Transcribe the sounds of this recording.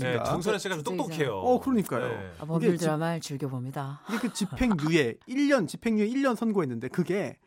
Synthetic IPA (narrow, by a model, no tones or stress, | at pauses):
ka̰ʌŋs̬ʰʌnesɕʰiɡad͡ʑot͈ot͈okʰejoʌkɯɾʌɲik͈ajo̰pɯɡeɭdɯɾamaɭt͡ɕɯɭɡjʌbomɲidaɯɡekɯt͡ɕipʰe̞ŋɲue̞iʎːʌnt͡ɕipʰe̞ŋɲue̞iʎːʌnsʰʌnɡoɦenːɯnde̞kɯɡe̞